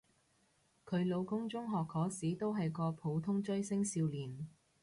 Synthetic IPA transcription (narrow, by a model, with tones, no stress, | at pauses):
kʰɵ˨˧ɥlo˨˧wkʊ˥ŋt͡ʃʊ˥ŋɦɔː˨khɔː˨˥siː˨˥t̪o˥wɦɐ˨jkɔː˧pʰo˨˥wt̪ʰʊ˥ŋt͡ʃɵ˥ɥsɪ˥ŋsiː˧wliː˨˩n